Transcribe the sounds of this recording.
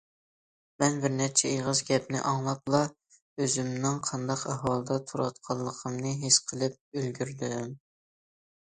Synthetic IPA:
mɛnbɪɾnɛɾt͡ʃʰɛeʁəzɡʲɛpnɪ̰ʔɑŋlˠɑt̪̚lˠɑ | øzymnɪŋqʰɑnd̪ɑqɛɦɑlˠɨd̪ɑt̪ʰuɾɑt̪̚qʰɑlˠːəqʰəmnɨɦeʃqʰəlˠɨp̚ølɡʲyɾd̪ym

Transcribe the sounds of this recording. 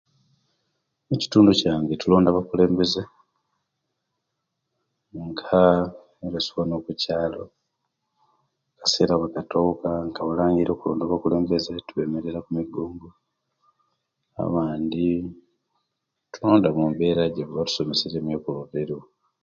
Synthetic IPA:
eci̥tuːnducaːŋɡetulo̞ːndaβakule̞ːmbe̞ze | ŋɡa | eɾesuwanoːkucaːlo̞ | kḁse̞ːɾaβekato̞kaŋɡaβalaːŋɡiɾo̞ːkuloːndaβakule̞ːmbe̞zetuβe̞me̞ɾeɾakumiɡoːmɡu | a̰βaːndi | tuloːndamumbeɾaɟeββatu̥so̞meseɾemjeːkoloβeɾo

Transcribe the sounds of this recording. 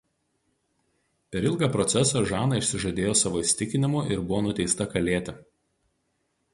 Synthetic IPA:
pʲɛɾɪlˠɡɑːpɾɔt̪sʲɛsɑˑʒɑːnɐɪʃʲsʲɪʒɐd̪ʲeːjoːsɑːʋoːɪsʲt̪ʲɪkʲɪnʲɪmʊʔɪɾbʊʋoːnʊt̪ʲɛɪst̪ɐkɐlʲeːt̪ʲɪ

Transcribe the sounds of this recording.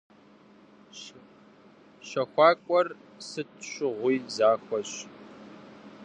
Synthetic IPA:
ɕɐxʷɑːkʷʼɔrsɨtʰɕʷʊʁʷiːzaːxʷɔɕ

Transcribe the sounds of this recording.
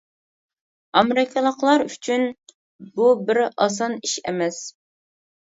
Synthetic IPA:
ɑmeɾɪkʰɑlˠəqlˠɑɾyt͡ʃʰyn | bubɪɾɑ̰s̬ɑniʃɛ̰mɛs

